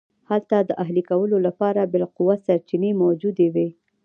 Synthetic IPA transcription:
halt̪ad̪əʔaɦlikawəlolapɑɾabɪlqʊwasaɾt͡ʃinemawd͡ʒud̪ewe

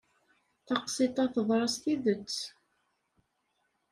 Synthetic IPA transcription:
θɑqsɪt̪ˤɑθəðˤɾˤɑst̪iðət͡sː

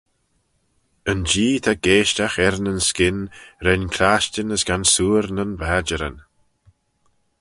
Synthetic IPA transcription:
ənd͡ʒiːt̪ʰaɡ̥eːʃtaxɛɾənənskɪnɾɛnkʰɾaːʃtənəsɡ̥ansuːɾnənvaːd͡ʒəɾə̰n

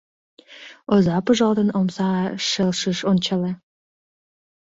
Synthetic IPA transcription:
ozɑpəʒɑld̪ənomsɑʃelʃiʃonʲt͡ɕɑle

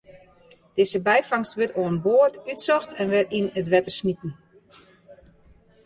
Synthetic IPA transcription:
d̥ɪzəbɛjfaŋstʋøtoənboətytsɔxtʰɛnʋɪrinətʋɛtəsmitn̩

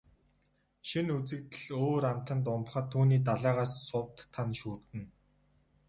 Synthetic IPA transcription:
ʃinut͡sɘ̆kt̪ɘ̆ɮoːɾamt̪ə̆nt̪̬ʊmp̆χə̆t̪ʰːuːniːt̪̬aɮaːʁaːsːʊwt̪ʰːanʃuːrt̪ɘ̆n

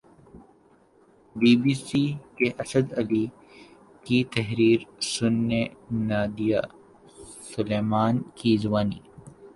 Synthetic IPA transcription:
biːbiːsikeʔɐsəd̪ɐli | kit̪ɐɦɾiːɾsʊnːenaːd̪ijaː | sʊleːmaːnkizwaːnḭː

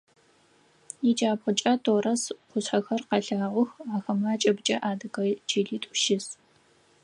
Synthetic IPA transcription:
jid͡ʒaːpχʷʊt͡ʃʼɐtʰoːrɐsqʷʊsħɐxɐrqɐɬaːʁʷʊxaːxɐmlaːt͡ʃʼɐbt͡ʃʼɐʔaːdɨɡɐd͡ʒiːɮiːtʼʊʃɪs

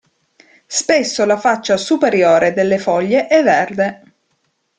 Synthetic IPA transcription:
spesːolafat͡ʃːasupeɾjoːɾed̪elːefɔʎːeʔɛvːɛrd̪e

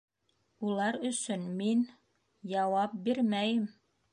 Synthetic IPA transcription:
ulˠɑɾɵ̆sɵnmin | jɑwɑp̚biɾmæjɘm

